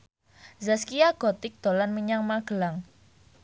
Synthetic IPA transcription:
zaskiaɡ̥ɔt̪ɪk̚d̪̥o̤lanməɲaŋmaɡ̥ə̤laŋ

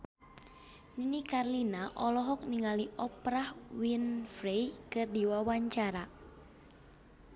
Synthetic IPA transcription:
ninikarlinaʔɔlɔɦɔk̚niŋaliʔɔpɾahwinfɾejkɨrdiwawaɲt͡ʃaɾa

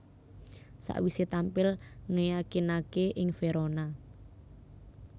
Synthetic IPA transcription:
sa̰ʔwiset̪ampɪlŋejakinakeʔɪŋfeɾona

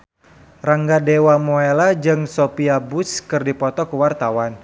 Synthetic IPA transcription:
raŋɡadewamoelad͡ʒɨŋsopiabʊskɨrdipɔt̪ɔkəwart̪awan

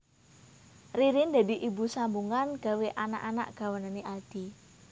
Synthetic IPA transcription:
riɾɪnd̪a̤d̪iʔibusambuŋanɡ̥a̤weʔana̰ʔana̰ʔɡ̥a̤wənaneʔad̪̥i

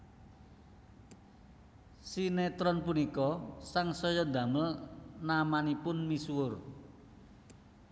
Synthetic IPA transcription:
sinet̪ɾɔnpunikɔsaŋsɔjɔd̪ä̤məlnamanipʊnmisuwʊr

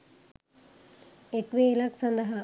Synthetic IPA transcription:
ekʋeːlɐksɐnd̪ɐɦɐ

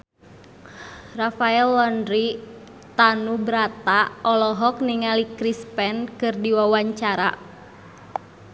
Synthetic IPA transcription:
rafaɛlːɔndɾi | t̪anubɾat̪aɔlɔɦɔk̚niŋalikɾispɛnkɨrdiwawaɲt͡ʃaɾa̰

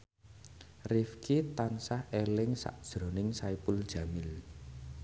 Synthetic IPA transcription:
rifkʰit̪ansahelɪŋsa̰ʔd̥ʒ̥ɾɔ̤nɪŋsaipʊld̥ʒ̥ä̤mɪl

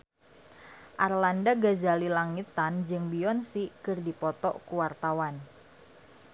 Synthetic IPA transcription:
ʔarlandaɡazalilaŋit̪and͡ʒɨŋbiɔnsikɨrdipɔt̪ɔ̰ʔkuwart̪awan

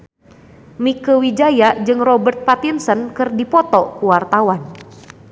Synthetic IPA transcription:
mikəwid͡ʒajad͡ʒɨŋrɔbərt̪̚pat̪insənkɨrdipɔt̪ɔkuwart̪awan

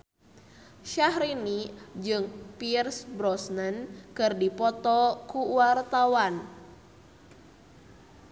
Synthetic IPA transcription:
ʃaɦɾinid͡ʒɨŋpirsbɾɔsnənkɨrdipɔt̪ɔkuwart̪awan

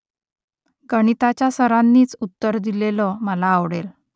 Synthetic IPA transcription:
ɡəɽ̃it̪at͡ɕjasəɾanːiːt͡sut̪ːəɾd̪ilelɔməlaːʋɽel

